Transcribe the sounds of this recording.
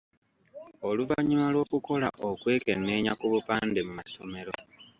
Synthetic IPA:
o̞luvaɲimalwo̞ːkuko̞la̰ʔokwe̞ːke̞nːe̞ːɲa̰kuβupaːnde̞mumaso̞me̞ɾo̞

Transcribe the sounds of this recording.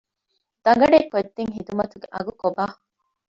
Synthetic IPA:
d̪̥ɐŋ̆ɡɐɖeːkod̪ːeŋɦid̪umɐt̪uɡeʔɐɡukobaː

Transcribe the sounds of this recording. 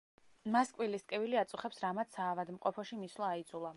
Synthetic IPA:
maskʼwiliskʼɛviliat̪sʼuχɛpsɾamat̪saːvad̪mqʼɔpʰɔʃimislˠaːid̪zulˠa

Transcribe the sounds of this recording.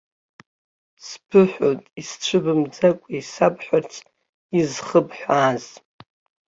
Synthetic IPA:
spʰɨħʷᶣotʼisʈ͡ʂʷʰɨbɨmd͡zakʷʼiisapʰħʷart͡sʰʼ | izχəbħʷaːz

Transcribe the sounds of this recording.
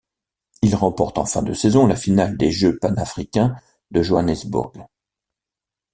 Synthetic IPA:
ilʁɑ̃pɔʁt̪ɑ̰̃fɛ̃d̪əsɛzɔ̃lafinald̪eʒøpanafχikʲɛ̃ | d̪əʒoanɛzbṵʁɡ

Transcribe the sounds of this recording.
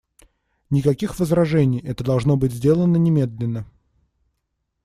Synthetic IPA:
nʲɪkɐkʲixvəzɾɐʐɛnʲɪjɛt̪əd̪ɐlˠʐno̞bɨtʲzʲdʲe̞lˠənənʲɪmʲe̞d̪lʲɪnːə

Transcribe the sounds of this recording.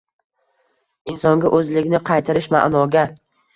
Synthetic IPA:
ɪnsɒŋɡʲaʔɵzlɪɡʲnɪqʰɑjt̪ʰaɾɪʃma̰ʔnɒɡʲa

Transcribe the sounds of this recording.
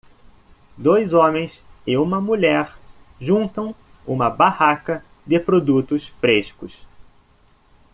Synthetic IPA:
d̪ojzõmẽj̃sɪũmɐmuʎɛɾ | ʒũnt̪ɐ̃w̃ | ṵ̃mɐbahakɐ | d̪ɪpɾod̪ut̪ʊsfɾeʃkʊs

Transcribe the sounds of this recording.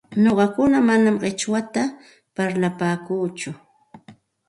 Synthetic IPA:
noɢɑkʊnamanamɢɪt͡ʃwat̪a | paɾlapaːkuːt͡ʃʊ

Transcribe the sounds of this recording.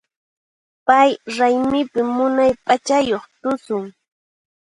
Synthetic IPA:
pajɾajmɪpɪmːʊnajpʼat͡ʃajoχt̪ʊsʊŋ

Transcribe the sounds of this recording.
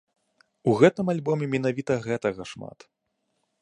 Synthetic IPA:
uɣɛt̪ɨmalʲbɔmʲɛmʲin̪avʲit̪ɐɣɛt̪ɐɣɐʂma̰t̪

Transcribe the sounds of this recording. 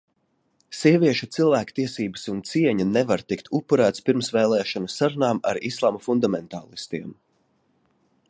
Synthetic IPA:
siɛviɛʃut̪silˠvæːkt̪iɛsiːbəsunt̪siɛɲanevaɾt̪ikt̪ʰupːuɾæːt̪spiɾmsvɛːlˠɛːʃɔnusaɾunaːma̰ɾislˠaːmafund̪amɛnt̪aːlˠist̪iɛm

